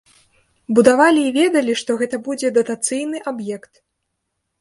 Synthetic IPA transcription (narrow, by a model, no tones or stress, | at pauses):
bud̪avalʲiːvʲɛd̪ɐlʲiʂt̪ɔɣɛt̪ɐbud͡zʲɛd̪ɐt̪at̪sɨjnɨʔabjɛkt̪